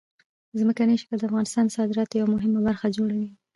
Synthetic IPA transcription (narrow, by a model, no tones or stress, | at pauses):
zməkaneʃi̥kald̪əafɣɑnɪst̪ɑnd̪əsɑd̪ɪɾɑt̪jawamʊɦɪmabaɾxad͡ʒoɽawi